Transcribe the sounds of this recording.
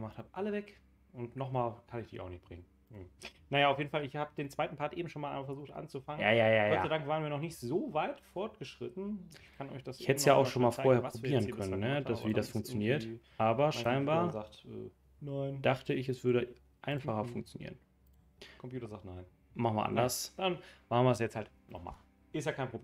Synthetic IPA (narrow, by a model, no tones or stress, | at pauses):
ɡəmaχthaːbəʔaləvɛk | ʊntnɔχmaːlkʰanɪçd̥ḭça̰ʊxnɪçtb̥ʁɪ̰ŋən̩ | najaːaʊfjeːdn̩falɪçhaːbədeːnt͡sv̥aɪtn̩pʰaɐtʔḛːbm̩ʃoːnmalʔa̰ɪmafɛɐzuːxtʔa̰nt͡sufaŋəjaːjaːjaːjɔaːadaŋkvaːʁənviːɐnɔχnɪçtzoːvaɪtfɔɐtɡ̥əʃʁ̥ɪtn̩kʰanɔ̰ʏçd̥asçhɛtəsjaːaʊxʃoːnmaːlfoːɐhɛːɐpʁ̥obiːʁənkʰœnənːəd̥asviːdasfʊŋk̚t͡sjoniːɐtʔaːbɐʃaɪnbaːɐzatʔɛ̰ː | naɪnd̥aχtəɪçɛsv̥ʏɐɾə | ʔaɪnfaχɐfʊŋk̚t͡sjonḭːʁən | kɔmpjuːtɐzaːχtnaɪn | maχn̩vɪɐ̰ʔa̰ndɐsd̥anmaχn̩viɪɐsjɛt͡shalt | nɔ̰χma̰ːl | ʔɪstjaːkʰaɪnpʁob